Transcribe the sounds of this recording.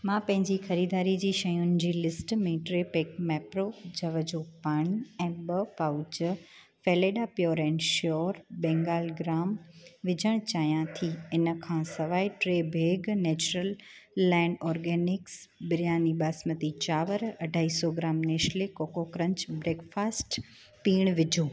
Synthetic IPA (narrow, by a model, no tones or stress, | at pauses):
mãːpɐ̃ɦɪ̃ɲd͡ʑixɐɾiːd̪aːɾid͡ʑiːʃɐjʊnɪd͡ʑiːlɪsʈmẽʈɾepeːk̚mɛːpɾod͡ʑɐʋəd͡ʑopaːɽ̃iɛ̃ːbɐpaːʊd͡ʑə | feːleːɖapjoːɾɛ̃ːnʃɔːɾbɛ̃ːŋɡaːlɡɾaːmʋɪd͡ʑʱəɽ̃t͡ɕaːɦjãt̪ʰiɪnəkʰãsɐʋaːiʈɾeːbʱeːɡneːt͡ɕuɾəlː | ɛ̃ːɳɖɔːɾɡeːnɪksbɪɾijaːnibaːsmət̪it͡ɕaːʋəɾɐɖʱaːiːsɔɡɾaːmneːʃlekoːkokɾə̃ɲt͡ɕbɾeːkfaːsʈ | piːɽ̃ʋɪd͡ʑʱuː